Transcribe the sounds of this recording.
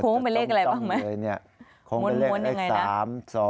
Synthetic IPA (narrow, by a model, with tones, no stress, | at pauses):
o˧˥ŋpa˧jle˥˩ka˧ɾa˧jbaː˥˩ŋmaː˦˥˧jni˥˩ɐ | kʰo˧˦˥mo˧˦mleː˥˩ku˧˦˥nja˧˩˧ŋːa˧jaaː˦˥˨msɔː˨˦